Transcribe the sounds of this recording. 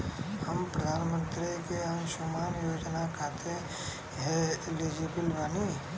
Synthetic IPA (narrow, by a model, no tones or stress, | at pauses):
həmpɾəd̪ʱaːnmə̃nt̪ɾikeənʃomaːnjoːd͡ʒnakʰaːt̪e | ɦɛleːd͡ʒibəlʋaːni